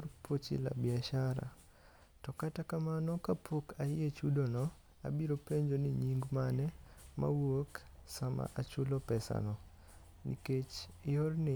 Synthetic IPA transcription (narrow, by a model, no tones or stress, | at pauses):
rpot͡ʃḭla̰bɪaʃaɾa̰ | tɔkatakamanɔkapʰokʰajet͡ʃudonɔ | a̰biɾopeɲd͡ʒonɪɲiŋɡmanɛmʔa̰woksama̰ʔat͡ʃʊlɔpɛsa̰nɔ | nḭket͡ʃɪornɪ